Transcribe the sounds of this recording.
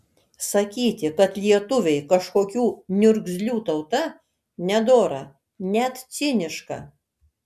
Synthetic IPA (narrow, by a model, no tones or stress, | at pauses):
sɐkʲiːt̪ʲɪkɐt̪lʲiɛt̪ʊʋʲɛɪkɐʃkoːkʲuːnʲʊɾʲɡzʲlʲuːt̪ɐʊt̪ɐ | nʲɛd̪oːɾɐ | nʲɛt̪t̪sʲɪnʲɪʃkɐ̰